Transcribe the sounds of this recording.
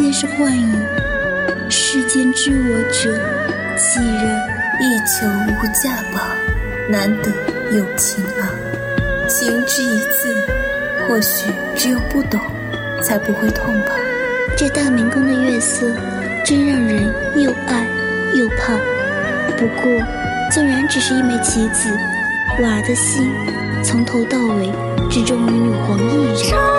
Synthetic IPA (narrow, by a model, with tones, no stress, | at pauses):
t͡ɕɛ˥˧ʂɻ̩˥˧xwa˥˩ny˨˩ | ʂɻ̩˥˩t͡ɕjɛ˥nʈ͡ʂɻ̩˥wɔ˧˥ʈ͡ʂɤ˨˩ | t͡ɕʰi˨˥˩ɻə˧˥ | i˥˩t͡sʰɤ˧˥ŋ˧˥u˥˧˩t͡ɕja˥˩pɑ˨˩˦ʊ | na˧˥nt̪ɤ˧˩˥ | jo˨˩ʊt͡ɕʰi˧˥na˧ | t͡ɕʰi˧˥ŋʈ͡ʂɻ̩˥˩i˧˥t͡sʰɹ̩˥˩ | xwɔ˥˩ɕy˨˩ | ʈ͡ʂɻ̩˧˥jo˨˩ʊpu˥˩t̪ʊ˨˩˦ŋ | t͡sʰa˧˥ɪpu˧˥xwe˥˧ɪt̪ʰwa˥˧ŋpʰɑ˥˩ʊ | ʈ͡ʂɤ˥˧t̪a˥˩mi˧˥ŋkʊ˥ŋd̪ə˨˧ɥɛ˥˩sɤ˥˩ | ʈ͡ʂə˥nɻə˥˩ŋɻə˧˥n | ɛ˥˧˩ʔa˥˧ɪ | ɛ˥˧pʰɑ˥˩ | pu˧˥kwɔ˥˩ | t͡sʊ˥˩ŋɻa˧˥nʈ͡ʂɻ̩˨˩ʂɻ̩˥˧i˥˩nme˧˥ɪt͡ɕʰi˧˥t͡sɹ̩˨˩ | wa˨˩d̪ə˦ɕi˥n | t͡sʰɤ˧˥ŋt̪ʰo˧˥ʊt̪ɑ˥˩ʊwe˧˥ɪ | ʈ͡ʂɻ̩˥˨˩ʈ͡ʂʊ˥˩ŋi˧˥ju˨˩xwə˧˥ŋd̪i˧i˥˩ɻə˨˩˦